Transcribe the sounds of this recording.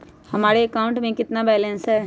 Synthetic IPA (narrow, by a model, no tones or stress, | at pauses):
hɐmaːɾeəkaʊ̃ɳʈmẽkɪt̪nabɛːlə̃nsɦɛː